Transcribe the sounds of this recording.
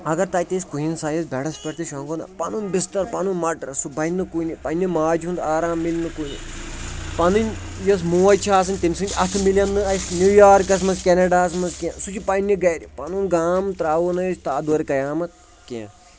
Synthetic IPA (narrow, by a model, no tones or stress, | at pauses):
ɐɡɐɾt̪aːjt̪eːsʲkuɦinsaːjɐs̬bʲɛɽɐspʲɐɾt̪iʃoŋɡonɐ̰pɐnunʲbist̪ɐɾpɐnunʲmɐʈɾɐsubɐjnːɨkunʲipɐnʲːimaːd͡ʒund̪aːɾaːmːilʲnɨkunʲḭ | pɐnɨnʲ | jɐs̬muːɐjt͡ʃʰaːs̬ɨnʲt̪imʲsɨnʲd͡ʒ̪ʲɐt̪ʰɨmilʲɐnːɨɐsnʲuːjaːɾkɐs̬mɐskʲenɐɖaːsmɐnskʲẽsut͡ʃʰipɐnʲːiɡɐjɾʲipɐnunɡaːmt̪ɾaːʋunɐjsʲt̪aːd̪oːɾikɐjaːmɐt̪̚ | kʲḛ̃ː